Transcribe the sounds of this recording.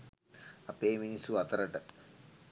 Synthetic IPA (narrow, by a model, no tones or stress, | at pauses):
ɐpeːminisuɐt̪əɾəʈə